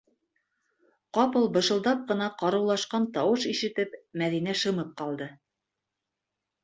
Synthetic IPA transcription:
qɑpɤlˠbɤ̆ʃɤ̆lˠd̪ɑp̚qɤ̆nɑqɑɾɤ̆wlˠɑʃqɑnt̪ɑwɤʃiʃɘ̆t̪ɘpmæðinæʃɤ̆mɤp̚qɑlˠd̪ɤ

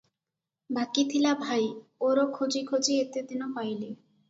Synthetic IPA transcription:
bakit̪ʰilabʱajoɾokʰod͡ʑikʰod͡ʑiet̪et̪inopajle

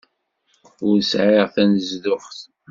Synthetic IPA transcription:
ʊɾsʕɪʁθænzðʊχθ

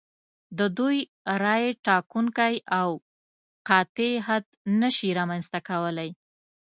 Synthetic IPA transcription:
d̪əd̪uj | ɾɑjeʈɑkuŋkajaw | qɑt̪eɦad̪nəʃiɾɑmanst̪akawəlaj

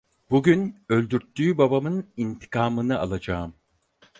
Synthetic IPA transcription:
b̥uɟynø̞lʲd̪yɾt̪ʰːyːbabamɯnint̪ʰi̥kʰaːmɯnɯʔa̰lˠad͡ʒaːɯm

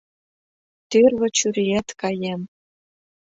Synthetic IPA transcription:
t̪yrβɘ̆t͡ɕyɾijæt̪kɑjem

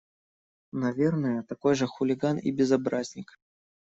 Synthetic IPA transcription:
nɐvʲe̞rnəjət̪ɐko̞jʐəxʊlʲɪɡanḭbʲɪzɐbɾazʲnʲɪk

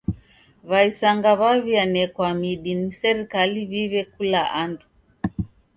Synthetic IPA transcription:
βaisaŋɡaβaβianɛkwamiɗinisɛɾikaliβiβɛkulaʔandu

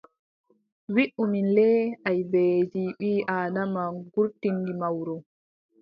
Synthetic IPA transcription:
wiʔuminlɛajbeːd͡ʒiɓiːʔaːnamaɡuɾtindimawɾɔ

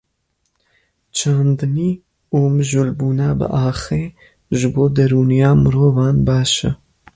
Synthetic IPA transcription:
t͡ʃʰaːnd̪ɨniː | uːmɨʒulbuːnabə̰ʔɑːxeː | ʒɨboːd̪ɐɾuːnijaːmɨɾoːvɑːnbɑːʃə̰

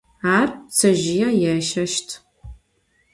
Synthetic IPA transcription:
aːrt͡sʰɐʒɪjajɛʃɐʃtʰ

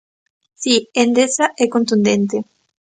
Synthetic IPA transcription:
siend̪esaʔɛkont̪und̪ent̪e

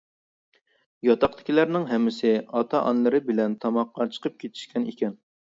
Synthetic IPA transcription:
jɑt̪ʰɑqt̪ɪ̥kʲilæɾnɪŋɦɛmːɪsɪɑt̪ʰɑʔɑ̰nlˠɨɾɨbɪlɛnt̪ʰɑmɑqːɑt͡ʃʰə̥qʰəp̚kʲʰet̪ʰɪ̥ʃkʲɛnḭkʲɛn

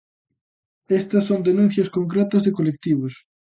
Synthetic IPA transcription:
est̪ɐsːõnd̪enũnθjɐskoŋkɾet̪ɐzðɪkolek̚t̪iβʊs

